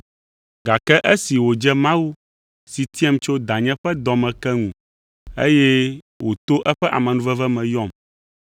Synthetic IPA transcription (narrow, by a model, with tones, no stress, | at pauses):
ɡa˨kɛ˦ʔɛ˦si˨wo˨d͡ʒɛ˦mã˦wu˦ | si˨t̪i˦ɛ˦mt͡ʃo˦d̪a˨ɲɛ̃˦ɸɛ˦d̪ɔ˨mɛ̃˨kɛ˦ŋũ˨ | ḛ˦jɛ˦ | wo˨t̪o˦ʔɛ˦ɸɛ˦ʔa̰˨mɛ̃˨nũ˦vɛ˦vɛ˦mɛ̃˨jɔ˦˨m